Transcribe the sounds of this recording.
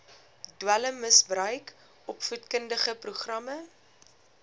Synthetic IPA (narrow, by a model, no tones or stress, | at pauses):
dwæləmːəsbrœɥk | ɔpfutkəndəχəpruχrɐmə